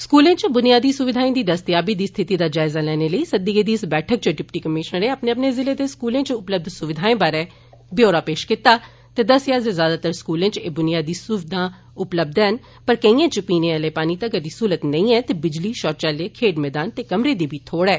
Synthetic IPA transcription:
skuːlẽːt͡ʃbʊnɪjaːd̪iːsʊʋɪd̪ʱaːĩːd̪iːd̪əst̪ɪjaːbiːd̪iːst̪ʰɪt̪iːd̪aːd͡ʒaːɪzaːlɛːneːləiːsəd̪iːɡeːd̪iːɪsbɛːʈʰək̚t͡ʃəɖɪpʈiːkəmɪʃnəɾẽːəpneːəpneːzɪleːd̪eːskuːlẽːt͡ʃʊpləb̚d̪sʊʋɪd̪ʱaːẽːbaːɾɛː | bɪjoːɾaːpeːʃkɪt̪ːaː | t̪eːd̪əsjaːzezjaːd̪aːt̪əɾskuːlẽːt͡ʃeːbʊnɪjaːd̪iːsʊʋɪd̪ʱãː | ʊpləb̚d̪ɛən | pəɾkəĩːãːt͡ʃəpiːnẽːaleːpaːniːt̪aɡəɾd̪iːsuːlət̪nəĩːɛːt̪eːbɪd͡ʒliːʃɔːɾt͡ʃaːleːkʰeːɖmɛːd̪aːnt̪eːkəmɾeːd̪iːbʱiːt̪ʰoːɽɛː

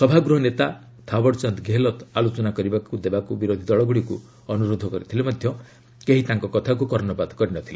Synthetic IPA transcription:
sɔbʱaɡɾuɦɔnet̪a | t̪ʰabɔɾt͡ʃant̪ɡʱeɦlɔt̪alot͡ʃɔnakɔɾibakud̪ebakubiɾod̪ʱid̪ɔɭɔɡuɽiku | ɔnuɾod̪ʱɔkɔɾit̪ʰilemad̪ʱjɔ | keɦit̪aŋkɔkɔt̪ʰak̬ukɔɾnɔbad̪kɔɾinɔt̪ʰile

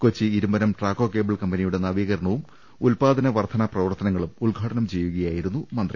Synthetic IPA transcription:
kot͡ɕːɨiɾumbɐɾɐmʈraːkːo̞ːkeːbɐɭkɐmbɐnijuɽe̞nɐʋiːɣɐɾɐɳɐʋum | ulpaːd̪ɐnɐʋɐrt̪ʰɐnaprɐʋɐrt̪ʰɐnɐŋːɐɭumulɡʱaːʈɐnɐmt͡ɕe̞jːuɣɐjaːjiɾunːumɐnd̪rɐ̰

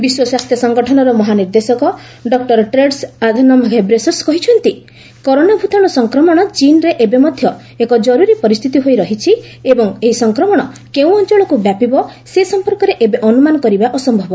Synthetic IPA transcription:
biswɔswast̪ʰjɔsɔŋɡɔʈʰɔnɔɾɔmɔɦaniɾd̪esɔkɔɖɔk̚ʈɔɾʈɾeɖsad̪ʱɔnɔmʱaɡʱebɾesɔskɔɦit͡ʃʰɔnt̪i | kɔɾonabʱut̪ɔɽ̃ɔsɔŋkɾɔmɔɽ̃ɔt͡ʃinɾeʔebemɔd̪ʱjɔ | ekɔd͡ʒɔɾuɾipɔɾist̪ʰit̪iɦojɾɔɦit͡ʃʰi | ebɔŋeɦisɔŋkɾɔmɔɽ̃ɔkeũɔnt͡ʃɔɭ̃ɔkubjapibɔsesɔmpɔɾkɔɾeʔebeʔɔnumanɔkɔɾibaʔɔsɔmbʱɔbɔ

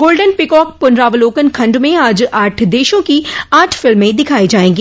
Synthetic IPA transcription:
ɡoːlɖənpɪkɔːk̚pʊnɾaːʋəloːkənkʰɐ̃ɳɖmẽaːd͡ʒaːʈʰd̪eːʃõkiaːʈʰfɪlmːẽd̪ɪkʰaːid͡ʒaːẽːɡiː

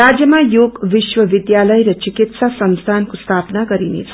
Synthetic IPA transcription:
ad͡zjʌmajoɡʋiʃwʌʋid̪jalʌjɾʌt͡ʃikit̪sasʌnst̪ʰankost̪ʰapnaɡʌɾinḛt͡sʰʌ̥

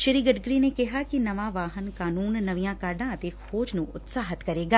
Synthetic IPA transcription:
ʃɪɾiːɡɐʈɡɾinekɪɦakinɐʋaʋaːɦənkaːnuːnːɐʋijãkaːɾɖãɐt̪exʰoːd͡ʒnũʔʊt̪saːɦət̪kɐɾeːɡaː

